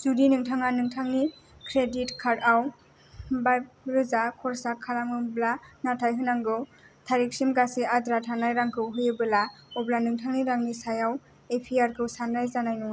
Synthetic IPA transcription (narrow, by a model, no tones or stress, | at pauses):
zudinɯŋtʰaŋanɯŋtʰaŋni | kʰɾeditkʰaɾaw | baj̚ɾɯzakʰɔɾsakʰːalamɯblanatʰajɦɯnaŋɡɯwtʰaɾik̚simɡasiadɾatʰanajɾaŋkʰɯwɦɯjɯbɯlaɔblanɯŋtʰaŋniɾaŋnisajaw | epʰiaɾkʰɯwsanɾajzanajnɔŋa